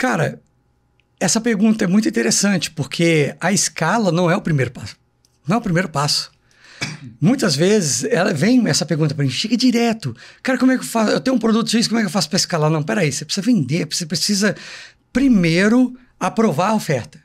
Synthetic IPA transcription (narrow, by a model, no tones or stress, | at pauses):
kaɾɐ | ɛsɐpeɾɡũnt̪ɐɛmũjt̪uĩt̪eɾesɐ̃t͡ʃɪ̥poɾkʰeɐɪskalɐnɐ̃w̃ɛʊpɾimejɾʊpasʊ̥ | nɐ̃w̃ɛʊpɾimejɾʊpasʊ̥ | mũj̃t̪ɐzvezɪsɛlɐvẽj̃ɛsɐpeɾɡũt̪ɐpɾɐmĩʃeɡɐd͡ʒiɾɛt̪ʊkaɾɐkõmɛkewfasʊewt̪ẽj̃ũpɾod̪ut̪ʊ̥sis̬komɛkewfasʊpɾɐɪskalanɐ̃w̃pɛɾɐisepɾesizɐvẽnd̪eɾpsepɾesizɐ | pɾimejɾʊ | apɾovaɾɐofɛɾt̪ɐ̥